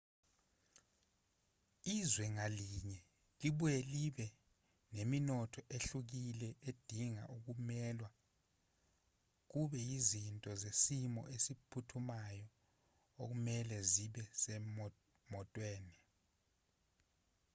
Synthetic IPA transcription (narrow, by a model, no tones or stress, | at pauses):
izwɛŋaliɲɛ | liɓujɛliɓɛ | neminɔtʰɔʔeɬuk̬ilɛʔed̥ʱiŋa̰ʔuk̬umɛlwa | k̬uɓɛizintʼɔzesimɔ̰ʔesipʰutʰumajɔ | ok̬umɛlɛziɓɛsɛ | mɔtʼweːni